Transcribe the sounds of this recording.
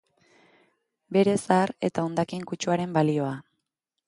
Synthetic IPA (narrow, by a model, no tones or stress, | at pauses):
be̞ɾe̞sare̞t̪ao̞nd̪akiŋkut͡ʃuaɾe̞mbalio̞a